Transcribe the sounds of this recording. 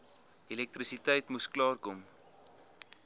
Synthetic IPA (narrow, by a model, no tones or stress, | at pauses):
elɛk̚tɾisitəjtmusklɑːrkɔm